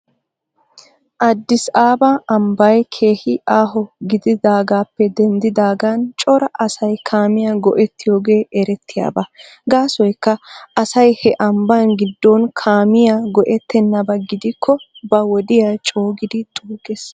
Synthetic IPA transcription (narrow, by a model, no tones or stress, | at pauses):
ʔɐd̪ːɪsaːbɐʔɐmbɐjkʰe̞ːhɪʔaːɦɔɡɪd̪ɪd̪aːɡaːpːɛd̪ɛnd̪ɪd̪aːɡant͡ʃʼɔɾɐʔɐsɐjkʰaːmɪjaɡɔ̰ʔɛt̪ːɪjo̞ːɡe̞ːʔɛɾɛt̪ːɪja̰ːbɐ | ɡaːsɔjkːɐɐsɐjhɛʔɐmbanɡɪd̪ːoːnkʰaːmɪjaɡɔʔɛt̪ːɛnːɐbɐɡɪd̪ɪkʰːɔbɐwɔd̪ɪjat͡ʃʼo̞ːɡɪd̪ɪt̪ʼuːɡes